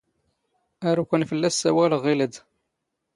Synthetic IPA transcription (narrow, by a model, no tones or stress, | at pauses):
æɾukʷənfəlːæsːæwælʁiləd̪